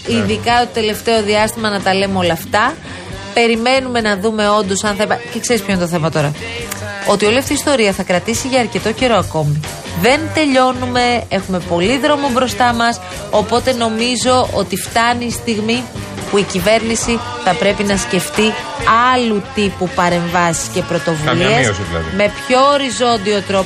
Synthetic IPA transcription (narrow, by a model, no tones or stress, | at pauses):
iðikɐt̪ot̪e̞le̞ft̪e̞o̞ðiɐst̪imɐnɐt̪ɐle̞mo̞lɐːft̪ɐ | pe̞ɾime̞nume̞nɐðume̞o̞nd̪o̞sɐnθɐpɐcekse̞ɾispçoinet̪oθe̞mɐt̪o̞ɾɐ | o̞t̪io̞liɐft̪iːst̪o̞ɾiɐθɐkɾɐt̪isiʝɐːɾce̞t̪o̞ce̞ɾo̞ɐko̞mi | ðe̞nt̪e̞ʎo̞nume̞e̞xume̞po̞liðɾo̞mobɾo̞st̪ɐmɐs | o̞po̞t̪e̞no̞mizo̞ʔo̞t̪ift̪ɐniːst̪iɣmi | puicive̞ɾnisi | θɐpɾe̞pinɐsce̞ft̪i | ɐlut̪ipupɐɾe̞ɱvɐsi̥sce̞pɾo̞t̪o̞vulessiɐ̰ð̰me̞pço̞ːɾizo̞nd̪io̞t̪ɾo̞